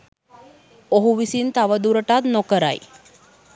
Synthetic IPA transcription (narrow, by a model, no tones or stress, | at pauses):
oɦuʋisint̪aʋəd̪uɾəʈat̪nokəɾa̰j